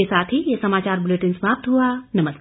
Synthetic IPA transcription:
esaːt̪ʰijesɐmaːt͡ʃaːɾbʊleʈɪnsmaːp̚t̪ɦuanɐməs

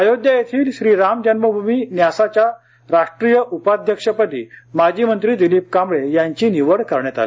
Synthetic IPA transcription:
əjod̪jəjet̪ʰiːlɕɾiɾamd͡ʑənməbʱumiːnjasat͡ɕja | ɾaʂʈɾijəʔupad̪ʱjəkʂəpəʈḭːmad͡ʑimənt̪ɾiːd̪iliːp̚kãmbɭejaɲt͡ɕiːniʋəɽkəɾɳjat̪a̰le

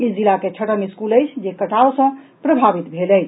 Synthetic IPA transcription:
izilaket͡ʃʰəʈəmiskuləjt͡ʃʰd͡ʒekəʈʰaosə̃ | pɾəbʱabit̪bʱelə

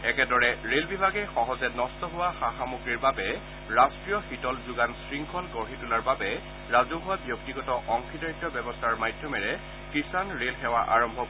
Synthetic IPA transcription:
ɛkɛdɔɹɛɹelbibʱaɡɛxɔɦɔzɛnɔstɔɦʊwaxaxamukɹiɹbabɛ | ɹastɹijɔxitɔlzʊɡansɹiŋkʰɔlɡɔɹɦitulaɹbabɛ | ɹazʊɦʊwabjok̚tiɡɔtɔʔɔŋkʰidaɹik̚tːɔbɛbɔstʰaɹmajdʱjɔmɛɹɛ | kisanɹelxɛwaʔa̰ɹɔmbʱɔk

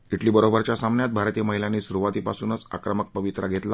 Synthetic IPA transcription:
iʈliːbəɾobəɾt͡ɕjasamnjat̪̚bʱaɾt̪iːjəməɦiljaniːsuɾuʋat̪iːpasuːnət͡sa̰kɾəmək̚pəʋit̪ɾaɡʱet̪la

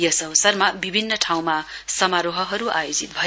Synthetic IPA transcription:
jʌsʌwsʌrmabibʱinːʌʈʰaw̃masʌmaɾoɦʌɦʌɾuajod͡zit̪̚bʱʌ

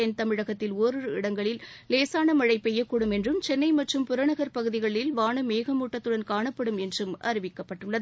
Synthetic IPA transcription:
ɪnt̪ɐmɪɻɐɣɐt̪ːɪloːɾɯɯɪɽɐŋɡɐɭɪlleːsaːnɐmɐɻɐɪpːɛjːɐkːuːɽɯmɛndrɯmt͡ʃɛnːɐɪmɐʈrɯmpʊɾɐɳɐɣɐɾpɐɣɯðɪɣɐɭɪlʋaːɳɐmeːɣɐmuːʈːɐt̪ːɯɽɐnkaːɳɐpːɐɽɯmɛndrɯmʔɐ̰ɾɪʋɪkːɐpːɐʈːɯɭːɐðɯ

